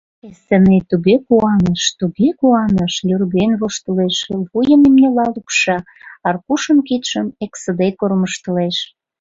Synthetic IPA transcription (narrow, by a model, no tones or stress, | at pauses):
esĕnet̪uɣekuɑnəʃt̪uɣekuɑnəʃlʲørɣenβoʃt̪əleʃβujə̆mimnelɑlukʃɑ | ɑrkuʃə̆mkit̪ʃəmeksə̆d̪ekorməʃt̪ə̆leʃ